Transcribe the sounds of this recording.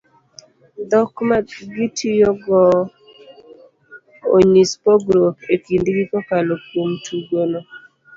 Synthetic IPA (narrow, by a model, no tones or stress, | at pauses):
d̪ɔkmaɡitʰijoɡɔ | o̰ɲispɔɡɾopekindɡikɔkalokomtʰuɡono